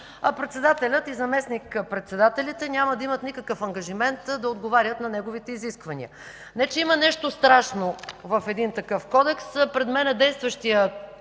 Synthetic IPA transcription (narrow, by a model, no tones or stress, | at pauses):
pɾɛt̪sɛd̪at̪ɛlʲət̪izɐmɛsnikpɾɛt̪sɛd̪at̪ɛlʲit̪ɛnʲaməd̪ɐimət̪nikɐkəfɐŋɡɐʒimɛnt̪d̪ɐod̪ɡovaɾʲət̪nɐnɛɡovit̪ɛiziskvɐnḭə̰ | nɛt͡ʃɛimɐnɛʃt̪ost̪ɾaʃnovɐfɛd̪int̪ɐkɤfkɔd̪ɛkspɾɛd̪mɛnɛd̪ɛjst̪vəʃt̪ijə